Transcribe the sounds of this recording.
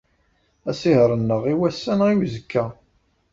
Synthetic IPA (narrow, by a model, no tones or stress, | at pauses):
æsiɦɾˤənːəʁiwæsːænʁiwzəkʰːæ